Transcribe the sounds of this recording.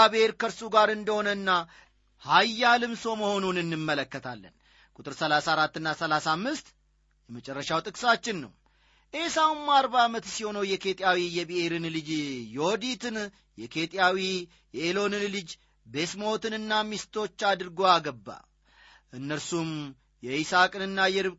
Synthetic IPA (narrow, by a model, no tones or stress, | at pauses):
abeɾkəɾsuɡaɾɨnd̪əho̞nənːa | hajːalɨmso̞məho̞nunɨnːɨmːələkːət̪ʰalːə̰n | kʼut̪ʼɨɾsəlasaːɾat̪ːɨnːasəlasamːɨst̪ | jɛmət͡ʃʼɛrːəʃawt̪ʼɨkʼsat͡ʃːɪnːə̰w | ʔe̞sawumːaɾbaːmət̪siho̞nəwjɛkʰe̞t̪ʼjawijɛbihe̞ɾɨnlɨd͡ʒjo̞d̪it̪ʰɨn | jɛkʰe̞t̪ʼjawi | jɛelo̞nɨnlɨd͡ʒ | be̞smo̞t̪ɨnɨnːamist̪ʰo̞t͡ʃːad̪ɨɾɡo̞aɡəbːa̰ | ʔɨnːəɾsum | jɛisakʼɨnɨnːajɛɾɨ